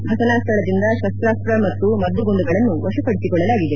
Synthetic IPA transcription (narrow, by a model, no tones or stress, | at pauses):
bʱɐsɐnaːst̪ʰɐɭɐd̪ind̪ɐʃɐst̪ɾaːst̪ɾɐmɐt̪ːumɐd̪ːuɡond̪uɡɐɭɐnːuʋɔʂɐpɐɽisikɔɭːɐlaːɡid̪e